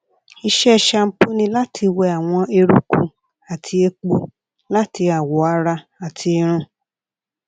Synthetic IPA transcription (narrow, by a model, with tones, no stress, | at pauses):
i˧ʃɛ˦˨ʃa˧m̩˦pu˦nĩ˧la˦tʰi˧wɛ˧a˨w̃ɔ̃˧e˧ɾṵ˦ku˦ | a˨tʰi˧e˧k͡po˧ | la˦ti˧a˨wɔ˨˦a˧ɾa˧ | a˨tʰi˧e˧ɾ̃ũ˦˨